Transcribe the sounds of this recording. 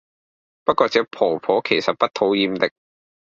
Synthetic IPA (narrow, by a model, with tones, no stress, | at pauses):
pɐ˥t̚kːɔː˧t͡sɛː˨˥pʰɔː˨˩pʰɔː˨˥kʰe˨˩jsɐ˨t̚pɐ˥t̚t̪ʰo˨˥wjiː˧mt̪ɪ˨k̚